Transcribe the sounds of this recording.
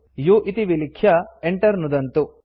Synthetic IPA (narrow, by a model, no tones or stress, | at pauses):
juʔit̪iʋilikʰjɐeɳʈɐɾnud̪ɐnt̪u